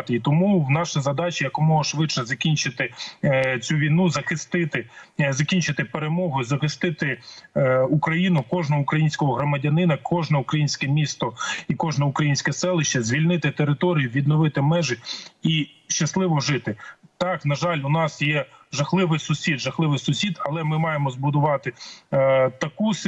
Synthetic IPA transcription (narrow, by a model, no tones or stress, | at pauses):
t̪ɪit̪ɔmuwnɑʃɪzɐd̪ɑt͡ʃʲijɐkumɔɦɔʃʋɪʃɛzɐkʲinʲt͡ʃɪt̪ɪ | t͡sʲuʋʲijnuzɐxɪst̪ɪt̪ɪzɐkʲinʲt͡ʃɪt̪ɪpeɾemɔɦʊizɐxɪst̪ɪt̪ɪ | ukɾɐjinʊkɔʒnɐɦʊukɾɐjinʲsʲkɔɦɔɦɾɔmɐdʲɐnɪnɐkʰɔʒnɛukɾɐjinʲsʲkɛmʲist̪ɔikɔʒnɛʊkɾɐjinʲsʲkɛsɛlˠɪʃt͡ʃːɐzʲʋʲilʲnɪt̪ɪt̪eɾɪt̪ɔɾʲijʊʋʲid̪nɔʋɪt̪ɪmɛʒɪi | ʃt͡ʃɐslˠɪʋɔʒɪt̪ɪt̪ɑknɐʒɑlʲʊnɑsjɛʒɐxlˠɪʋɪjsʊsʲid̪ʒɐxlˠɪʋɪjsʊsʲid̪ɐlˠɛmɪmɑjemɔzbʊd̪ʊʋɑt̪ɪ | t̪ɐkus